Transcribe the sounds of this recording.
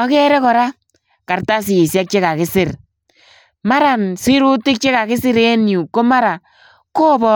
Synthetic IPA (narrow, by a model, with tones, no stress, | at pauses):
ɔ˦kɛ˦ɾɛ˦kɔ˨ɾa˦ | ka˨rta˦s̬ɪː˨sjɛ˦k̚t͡ʃe˦ka˨kɪ˦sɪ˦r | ma˦ɾa˨nsɪ˦ɾu˦tɪ˦k̚t͡ʃe˦ka˨kɪ˦sɪ˦ɾɛ˦nju˨ko˦ma˦ɾa˨ | ko˦bɔ˦